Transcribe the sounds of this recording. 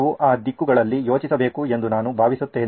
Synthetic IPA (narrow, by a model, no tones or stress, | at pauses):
uʔaːd̪ikːuɡɐɭɐlːijo̞ːt͡ʃisɐbe̞ːkue̞nd̪unaːnubʱaːʋisut̪ːe̞ː